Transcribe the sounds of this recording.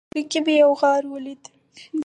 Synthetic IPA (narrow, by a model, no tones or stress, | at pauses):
ɾikibijawɣɑɾwəlid̪ | d̪